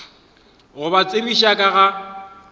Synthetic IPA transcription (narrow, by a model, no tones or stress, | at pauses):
ɣʊbat͡sʼeriʃakʼaɣa